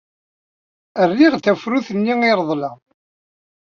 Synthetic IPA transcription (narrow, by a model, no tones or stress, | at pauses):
ərːiʁθæfɾuθənːiiɾˤðˤlæ